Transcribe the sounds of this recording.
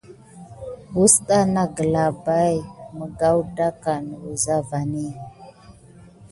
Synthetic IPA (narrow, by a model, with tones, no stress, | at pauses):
bu˦sɗa˦na˦ɡə˨la˨ba˦jmə˨ɡa˦wda˦ka˨nə˨u˨za˦va˨ni˦